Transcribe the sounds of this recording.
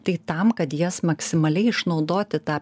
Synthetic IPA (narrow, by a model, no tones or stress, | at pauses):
t̪ɐɪt̪ɐmkɐt̪jiɛsmɐksʲɪmɐlʲɛɪɪʃnɒʊd̪oːt̪ʲɪt̪ɑː